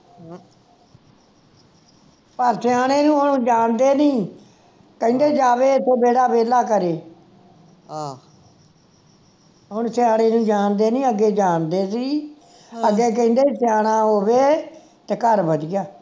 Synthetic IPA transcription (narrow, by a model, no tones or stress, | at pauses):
pəɾsɪjaːɽ̃eːnũːɦʊnːd͡ʒaːɳd̪eːnĩː | kəĩːnd̪eːd͡ʒaːʋeːt̪ʰːeːbeːɽaːbeːlaːkəɾeː | ɦʊɳsɪaːɽ̃eːnũːd͡ʒaːnd̪eːnĩːəɡːeːd͡ʒaːɳd̪eːsiː | əɡeːk̬əĩːnd̪eːisɪjaːɽ̃aːɦoːʋeː | t̪eːkəɾbəd̪ɪjaː